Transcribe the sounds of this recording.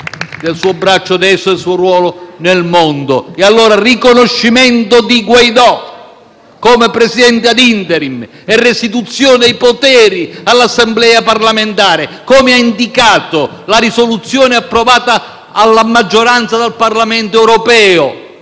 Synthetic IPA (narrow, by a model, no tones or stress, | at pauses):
d̪elsuːobɾat͡ʃːʊad̪ɛsːelsuoɾwɔːlʊnelmond̪ʊ̰ɛalːoːɾarikonoʃːimɛnt̪ʊd̪iɡwajd̪ɔ | kɔmepɾɛsid̪ɛnt̪ɪad̪int̪ɛɾim | ɛrːɪst̪it̪ut̪sːjoɔːnɪajpot̪ɛːɾialːasːɛmblɛːaparlament̪aːɾɪkomɪaind̪ikaːt̪ʊ | laɾisolut̪sːjɔːnɪapːɾovaːt̪aː | lːamad͡ʒːoɾant̪sad̪alparlamɛnt̪oɛwɾɔpɛːʊ